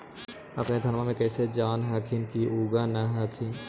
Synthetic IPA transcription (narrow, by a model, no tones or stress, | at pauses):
ɐpned̪ʱɐnmãmẽkɛːsed͡ʒaːnɦaːkʰɪnkiʔuːɡanaɦaːkʰɪn